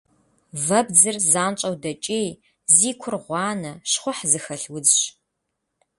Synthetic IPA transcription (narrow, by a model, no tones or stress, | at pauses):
vɐbd͡zɨrzaːnt͡ʃʼɐwdɐt͡ʃʼeːj | ziːkʷʰʊrʁʷɑːnɐʃχʷʊħzɨxɐɬwʊd͡zɕ